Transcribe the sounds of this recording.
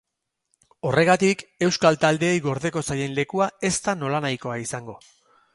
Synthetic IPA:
o̞re̞ɣ̞at̪ike̞wskalt̪ald̪e̞ːjɣo̞ɾðe̞ko̞saje̞nle̞kuae̞st̪ano̞lanajko̞aisaŋɡo̞

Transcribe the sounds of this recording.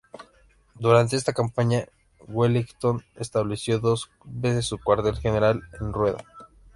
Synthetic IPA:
d̪uɾant̪e̞est̪akampaɲa | weliɡt̪o̞nest̪aβle̞sjo̞ðo̞s | be̞s̬e̞sːukwaɾt̪e̞lxene̞ɾale̞nrwe̞ða̰

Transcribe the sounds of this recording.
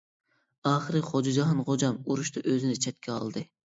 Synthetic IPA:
ɑːχɨɾɨχod͡ʒɑd͡ʒɑɦɑnʁod͡ʒɑmuɾuʃt̪ɑʔøzɪnɪt͡ʃʰɛt̪̚kʲʰɛɑ̰lˠd̪ɨ

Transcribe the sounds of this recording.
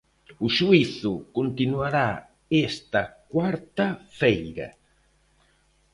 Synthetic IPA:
uʃuiθʊkont̪inuaɾa | est̪ɐkwaɾt̪ɐfɛjɾɐ̰

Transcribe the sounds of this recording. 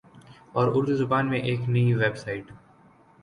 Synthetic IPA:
ɔːɾʊɾd̪uzʊbaːnmẽʔeːknɐiʋebsaːɪʈ

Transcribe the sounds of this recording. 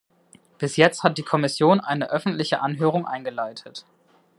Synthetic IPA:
b̥ɪsjɛt͡sthat̚d̥iːkʰɔmɪsjoːnʔaɪnəʔœfn̩tlɪçəʔanɦøːʁ̞ʊŋʔa̰ɪnɡəlaɪtʰət

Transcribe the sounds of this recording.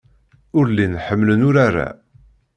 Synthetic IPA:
ʊɾlinħəmːlənʊɾaɾa̰

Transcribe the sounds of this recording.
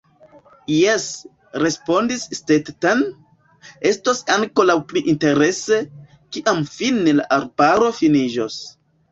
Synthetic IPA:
jes | ɾe̞spo̞ndisːtettan | e̞stosaŋko̞lawpliʔinte̞ɾe̞se̞ | kiʔamfinːela̰ʔaɾbaɾo̞finid͡ʒos

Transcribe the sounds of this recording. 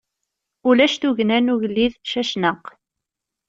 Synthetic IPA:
ʊlæʃθuʝnænuʝlːiðʃæʃnəq

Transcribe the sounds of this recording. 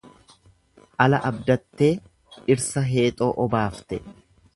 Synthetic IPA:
ʔɐlɐʔɐbd̪ɐt̪ːe̞ː | ɪɾsɐɦe̞ːt̪ʼo̞ːʔɔbaːft̪ɛ

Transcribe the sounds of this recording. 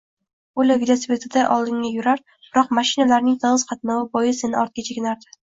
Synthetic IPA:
ʊlʲavilˠosipʲet̪ʰɪd̪aʔɒlˠd̪ɪŋːajʊɾaɾ | b̥ɪɾɒqmaʃɪnalaɾnɪŋt̪ʰɒnɨzqʰɑt̪nɒwɪbɒjɪsenɪɒɾt̪̚kʲat͡ʃʰeɡʲnaɾd̪ɪ̥

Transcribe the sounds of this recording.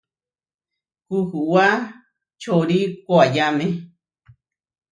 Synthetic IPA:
kukuwa | t͡ʃoɾikʷoajamẽ

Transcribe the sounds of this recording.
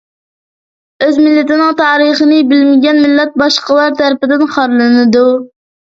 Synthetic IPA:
øzmɪlːɪt̪ɪnɨŋt̪ʰɑːɾəχənɨbɪlmɪɡʲɛnmɪlːɛt̪̚bɑʃqəlˠɑɾt̪ʰæɾpɪd̪ɪnχɑɾlˠɨnɨd̪u

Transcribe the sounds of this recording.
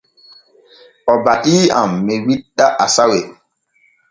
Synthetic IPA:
ɔbatiːa̰mːɛwiɗaʔasawe

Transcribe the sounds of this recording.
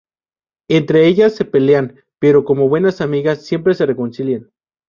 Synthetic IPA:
ent̪ɾe̞eʝasːe̞pe̞lean | pe̞ɾo̞ko̞mo̞βwe̞nasamiɣasːje̞mpɾe̞sereko̞nsiljen

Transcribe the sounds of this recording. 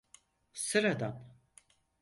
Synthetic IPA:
sɨɾad̪am

